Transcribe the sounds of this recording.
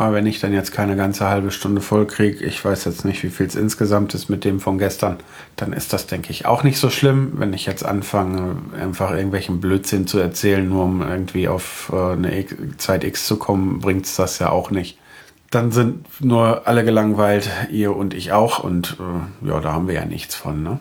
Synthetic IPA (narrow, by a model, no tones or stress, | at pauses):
ʔaːbɐvɛnɪçd̥anjɛt͡stkʰaɪnəɡant͡səhalbəʃtʊndəfɔlkʁ̥iːɡəʔɪ̰çv̥aɪsjɛt͡stnɪçtv̥iːfiːlsʔɪ̰nsɡ̥əzamtɪstmɪt̚d̥eːmfɔnɡɛstʰɐn | d̥anʔɪ̰std̥asd̥ɛŋkəɪçʔa̰ʊxnɪçtz̥oːʃlɪmvɛ̰nɪçjɛt͡stʔa̰nfaŋəʔa̰ɪnfaχʔɪɐɡŋ̩tv̥ɛlçn̩bløːtz̥ɪnt͡suɛɐt͡sɛːlənːuːɐʊmʔɪ̰ɐɡŋ̩tv̥iːʔa̰ʊfʔɛːnə̰ʔɪkt͡saɪtʔɪkst͡sukʰɔmənbʁɪŋktsd̥asja̰ːʔa̰ʊxnɪçt | d̥anzɪntnuːɐʔaləɡəlaŋvaɪltʔiːɐʊntɪçaʊxʊ̰ntʔɛːja̰ːdaːhaːbm̩viːɐja̰ːnʔɪ̰çt͡sfɔ̰nːə